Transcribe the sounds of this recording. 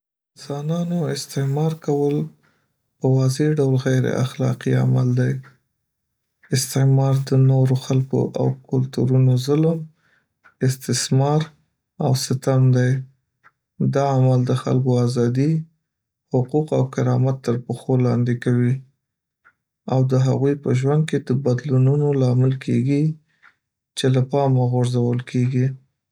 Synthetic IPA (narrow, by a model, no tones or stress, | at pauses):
zwɑnɑnoɪst̪ɪmɑɾkawəl | pəwɑzeɖawlɣajɾḛʔa̰xlɑ̰qia̰mald̪aj | ɪst̪ɪmɑɾd̪ənoɾoxalko̰ʔa̰wkʊlt̪uɾunozʊləm | ɪst̪ɪsmɑɾ | awsɪt̪amd̪aj | d̪ɑamald̪əxa̰lkoazɑd̪i | hʊquqawkɪɾɑmat̪ːəɾpəxolɑnd̪ekawi | awd̪əɦaɣujpəʒwand̪̚ked̪əbad̪lununolɑmɪlkʰeɡi | t͡ʃelapɑmaɣʊɾzawəlkʰeɡi